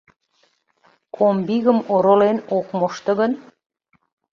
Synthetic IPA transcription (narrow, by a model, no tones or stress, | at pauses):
kʰombiɣəmoɾolenokmoʃt̪ə̆ɣən